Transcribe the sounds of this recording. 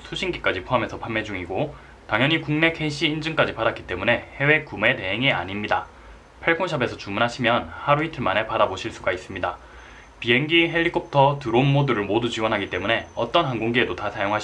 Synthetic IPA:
sʰuɕʰiŋɡik͈ad͡ʑipʰoɦame̞sʰʌpʰanmːe̞d͡ʑuŋiɡo | taŋɲjʌɲikuŋne̞kʰe̞iɕʰiːnd͡ʑɯŋk͈ad͡ʑipadak͈i̥t͈e̞mune̞he̞we̞kume̞te̞ɦeŋia̰ɲimɲida̰ | pʰaɭkʰoŋɕʰʌbe̞sʰʌt͡ɕumunɦaɕʰimjʌnhaɾuitʰɯɭmane̞paɾaboɕʰiɭs͈uɡais͈ɯmɲida | piɦe̞ŋɡiɦe̞ʎːikʰop̚tʰʌtɯɾonmodɯɾɯɭmodut͡ɕiwʌnɦaɡit͈e̞mune̞ʌt͈ʌnɦanɡoŋɡie̞dotasʰajoŋɦaɕ

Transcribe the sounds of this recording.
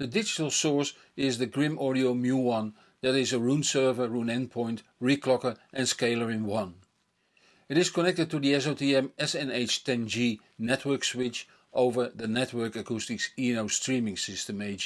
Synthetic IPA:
ðɨdɪd͡ʒɪtl̩ˠsɔɹs | ɪzðɨɡɹɪ̃mɔɹɾioʊmjuwʌ̃n | ðɨɾɪzəɹũnsɜ˞və˞ɹũnɛ̃npʰɔ̃ɪ̃nt | ɹikʰlɔkə˞ʔɨ̃nskeɪlˠə˞ɪ̃nwʌ̃n | ɪɾɪz̥kənɛk̚tɨd̚tuðiɛs̬oʊtiɛ̃mɛsɛ̃neɪt͡ʃtʰɛ̃nd͡ʒi | nɛt̚ʰwɜ˞kswɪt͡ʃ | ʔoʊvə˞ðɨnɛtwɜ˞kəkʰustɨksinoʊstɹĩmɪ̃ŋsɪstəmeɪd͡ʒ

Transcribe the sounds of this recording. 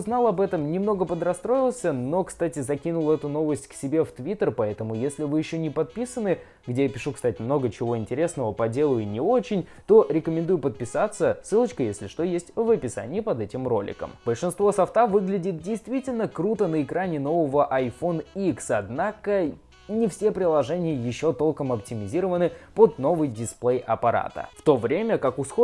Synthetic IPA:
znɑlˠɐbɛt̪əmnʲɪmno̞ɡəpəd̪ɾɐst̪ɾo̞jɪlˠsʲəno̞kst̪atʲɪzɐkʲinʊlˠɛt̪ʊno̞vəsʲtʲksʲɪbʲe̞ft̪vʲit̪ərpɐɛt̪əmʊjesʲlʲɪvɨjɪɕːonʲɪpɐt̪̚pʲisənɨ | ɡdʲejapʲɪʂukst̪atʲɪmno̞ɡət͡ɕɪvo̞ɪnʲtʲɪɾʲe̞snəvəpɐdʲe̞lˠʊjʊnʲɪo̞t͡ɕɪnʲ | t̪o̞ɾʲɪkəmʲɪnd̪ujʊpət̪̚pʲɪsat̪sːəsɨlˠət͡ɕkəjesʲlʲɪʂt̪o̞jesʲtʲvəpʲɪsa̰nʲɪɪpɐd̪ɛtʲɪmro̞̰lʲɪ̰kə̰mb̥əlʲʂɨnst̪vo̞sɐft̪avɨɡlʲɪdʲɪt̪̚dʲɪjst̪vʲitʲɪlʲnəkɾut̪ənəɪkɾanʲɪno̞vəvəʔɐjfo̞nəiksɐd̪nakə | nʲɪfsʲe̞pɾʲɪlˠɐʐɛnʲɪjəjɪɕːo̞t̪o̞lˠkəmɐptʲɪmʲɪzʲiɾəvənɨpo̞d̪no̞vɨjdʲɪsplˠejʔɐpɐɾa̰t̪ə̰ft̪o̞vɾʲemʲəkakʊsxo

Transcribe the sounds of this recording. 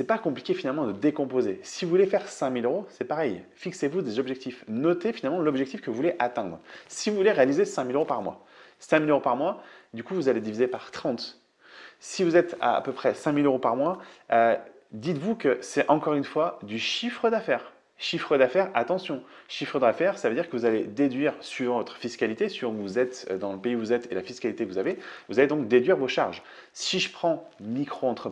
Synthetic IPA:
sɛpakɔ̃pli̥kʲefinalmɑ̃d̪əd̪ekɔ̃pozesivuvulefɛʁsɛ̃miløʁosɛpaʁɛjfiksevud̪ezɔbʒɛk̚t̪ifnɔt̪efinalmɑ̃lɔbʒɛk̚t̪ifkəvuvuleʔat̪ɛ̃d̪ʁsivuvuleʁealizesɛ̃miløʁopaʁmwa̰ | sɛ̃miløʁopaʁmwad̪ykuvuzaled̪ivizepaʁt̪χɑ̃t̪ | sivuzɛt̪a̰a̰pøpχɛsɛ̃miløʁopaʁmwaø | d̪it̪vukəsɛɑ̃kɔʁynfwad̪yʃifχəd̪afɛːʁ | ʃifχəd̪afɛʁat̪ɑ̃sjɔ̃ʃifχəd̪afɛʁsavød̪iʁkəvuzaled̪ed̪ɥiʁsɥivɑ̃vɔt̪χə̥fiskʲalit̪esivɑ̃uvuzɛt̪ød̪ɑ̃ləpeivuzɛt̪elafiskʲalit̪ekəvuzavevuzaled̪ɔ̃k̚d̪ed̪ɥiʁvoʃaʁʒ | siʒəpχɑ̃mikχoɑ̃t̪χə

